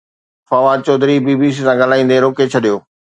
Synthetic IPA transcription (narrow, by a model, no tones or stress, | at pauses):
fɐʋat͡ɕɔːd̪ʱɾibiːbis̬isãɡəl̤aːĩːn̆d̪eɾoːket͡ɕʰɐɗijoː